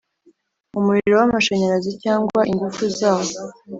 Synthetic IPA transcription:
umuɾiɾo̞wamaʃeɲaɾazicaːŋɡwaʔiŋɡufuzaːwo

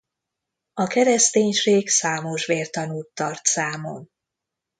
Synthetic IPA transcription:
ɒkɛɾɛst̪eːɲʃeːɡsaːmoʃʋeːrt̪ɒnuːt̪ːɒrt̪saːmo̰m

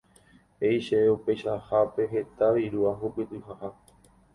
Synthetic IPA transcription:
e̞jʃeeupe̞jʃahape̞ɦe̞t̪aʋiɾuaɦupɨt̪ɨɦaha

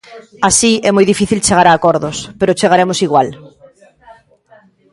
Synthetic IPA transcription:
asiɛmojðifiθilt͡ʃeɣaɾaːkɔɾðʊspeɾʊt͡ʃeɣaɾemosiɣwal

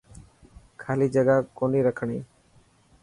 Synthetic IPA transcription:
kʰalid͡ʒəɡakoniːɾəkʰəɽ̃iː

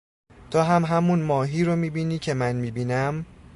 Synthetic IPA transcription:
t̪ʰɒːɦæmɦæmunmɒːɦiːɾomiːbiːniːcʰe̞mænmiːbiːnæm

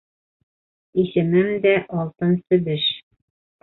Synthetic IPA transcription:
iʃɘ̆mɘmd̪æʔɒlˠt̪ɤnsɵ̆bɘʃ

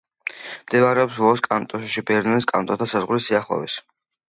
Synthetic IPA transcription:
md̪imaɾɛɔpsvɔskʼant̪ʼɔsʃibɛɾnɔniskʼa̰nt̪ʼɔt̪ʰasazʁɾisiaχlˠɔ̰vis

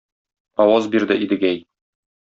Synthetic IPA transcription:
ɒwɑzbiɾd̪ɘʔid̪ɘ̆ɡæj

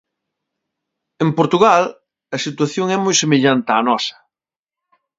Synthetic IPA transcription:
empoɾt̪uɣal | ɐsit̪waθjoŋɛmojsemeʎant̪anɔsɐ̥

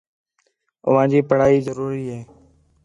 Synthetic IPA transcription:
ʊ̰ʋãːd͡ʑiːpəɽ̤aːiːzəɾuːɾiːɦeː

